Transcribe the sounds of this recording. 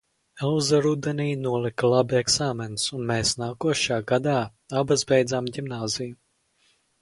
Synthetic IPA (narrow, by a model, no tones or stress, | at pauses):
ɛlˠzaɾud̪ɛniːnuɔlˠiklˠabiɛksaːmɛnsunmeːsnaːkuɔʃaːɡad̪aː | abazbʲɛjd̪zamɟʲimnaːziju